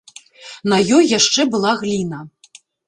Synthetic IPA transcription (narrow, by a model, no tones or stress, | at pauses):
nɐjɔjːaʂt͡ʂɛbɨlˠaɣlʲinɐ